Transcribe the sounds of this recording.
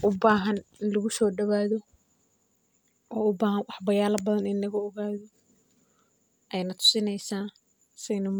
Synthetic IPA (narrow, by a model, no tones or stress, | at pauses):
ʔʊbaːɦɐnɪnlɐɣʊsɔːɖɐβaːðɔ | ʔɔːʊbaːɦɐnwɑħbɐjaːlɐbɐðɐnɪnlɐɣɐɔɣaːðɔ | ʔɛjnɐt̪ʰʊ̥sɪnɛjsaː | sɛjnɐm